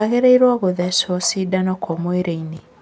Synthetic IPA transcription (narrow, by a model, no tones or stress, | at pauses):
aɣeɾeiɾwaɣoðɛsɔsidanɔkʰɔmweɾʔeine